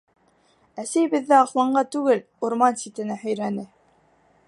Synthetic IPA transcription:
æsæjbɘ̆ðːæɑχlˠɑɴɢɑt̪ʉɡɘl | uɾmɑnsʲit̪ɘ̆næhɵ̆jɾænɘ

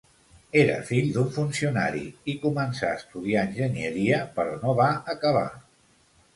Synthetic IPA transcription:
eɾə̰fiʎd̪uɱfunsiuna̰ɾḭikumənsaəst̪uðiaənʲʒənjəɾiəpəɾɔnoβaəkəβ̞a̰

